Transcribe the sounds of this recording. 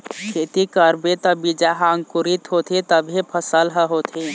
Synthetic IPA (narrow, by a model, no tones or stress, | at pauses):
kʰet̪ikəɾbet̪ə̃bid͡ʒaɦaŋkuɾit̪ɦot̪ʰit̪əbʱepʰəsəlɦəɦot̪ʰi